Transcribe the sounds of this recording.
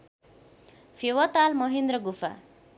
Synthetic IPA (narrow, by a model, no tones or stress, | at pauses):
fʰewʌt̪almʌɦind̪ɾʌɡufʰa̰